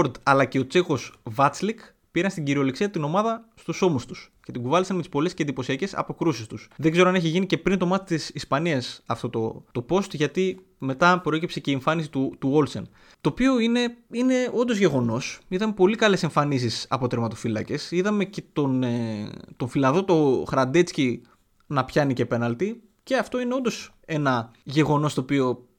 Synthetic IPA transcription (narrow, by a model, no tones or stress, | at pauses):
oɾd̪ɐlɐce̞o̞t͡se̞xo̞svɐt͡slik | piɾɐnst̪iɟiɾio̞liksiɐt̪ino̞mɐðɐst̪uso̞must̪us | ce̞t̪iɡuvɐlisɐnmet̪ispo̞le̞scend̪ipo̞siɐce̞sɐ̰po̞kɾusist̪usðeɡze̞ɾoɐneçiʝinice̞pɾint̪o̞mɐt̪it̪isispɐniɐsɐft̪o̞t̪o̞̰t̪o̞po̞st̪ʝɐt̪i | me̞t̪ɐpɾo̞e̞cipseceieɱfɐnis̬it̪ut̪uo̞lsḛn | t̪o̞ːpio̞ine̞ine̞o̞nd̪o̞zʝe̞ɣo̞no̞siðɐmepo̞likɐle̞se̞ɱfɐnisisɐ̰po̞t̪ɾemɐt̪o̞filɐ̰ce̞siðɐme̞ce̞t̪o̞net̪o̞ɱfilɐðot̪o̞xɾɐnd̪et͡sci | nɐpçɐnice̞pe̞nɐlt̪i | ce̞ɐft̪o̞ine̞o̞nd̪o̞s | e̞nɐʝe̞ɣo̞no̞st̪o̞pio̞